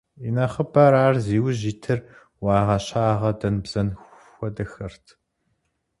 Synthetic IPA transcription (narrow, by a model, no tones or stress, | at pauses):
inɐχəbɐɾaːrziːwʑiːtʰɨr | wɑːʁɐɕaːʁɐdɐnbz̥ɐnʷxʷɔdɐxɐrtʰ